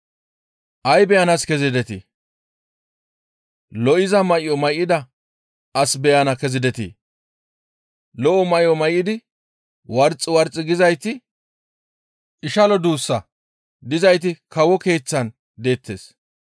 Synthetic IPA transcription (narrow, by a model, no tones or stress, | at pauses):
ʔɐjbɛjɐnɐskɛzɪd̪ɛt̪ɪ̰ | lɔʔɪzɐmɐʔɪɔmɐjɪd̪ɐ | ɐsbɛjɐnɐkɛzɪd̪ɛt̪ḭ | lɔʔɔmɐjɔmɐjɪd̪ɪ | wɐɾt͡sʼːɪwɐɾt͡sʼːɪɡɪzɐjt̪ɪ | ʔɪʃɐlɔd̪uːsːɐ | d̪ɪzɐjt̪̬ɪkɐwɔke̞ːt͡sːɐn | d̪e̞ːt̪ːeːs